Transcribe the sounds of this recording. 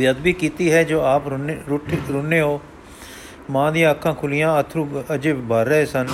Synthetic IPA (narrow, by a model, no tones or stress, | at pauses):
jəd̪biːkiːt̪iːɦɛːd͡ʒoːaːpɾɾʊʈʰɾʊneːoː | mãːd̪ĩjãːəkʰːãːkʰʊlɪjãːət̪ʰːɾũːəd͡ʒeːbəɾːəeːsən